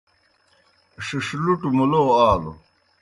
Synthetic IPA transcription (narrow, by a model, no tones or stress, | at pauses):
ʂiʂluʈumuloːaːlo̰